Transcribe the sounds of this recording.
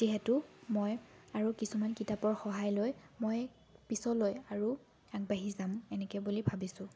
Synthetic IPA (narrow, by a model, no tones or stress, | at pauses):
ziɦɛtʊmojaɹukisumankitapɔɹxɔɦajlojmoj | pisɔlojaɹu | aɡ̚baɦizamɛnɛkɛbulibʱabisʊ̃